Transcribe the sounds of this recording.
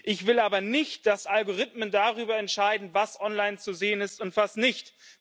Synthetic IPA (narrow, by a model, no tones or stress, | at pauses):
ʔɪçv̥ɪlʔaːbɐnɪçt̚d̥asʔalɡoʁɪtməndaʁ̞yːbɐɛntʃaɪdn̩vasʔɔnlaɪnt͡suzeːənɪstʊntv̥asnɪçt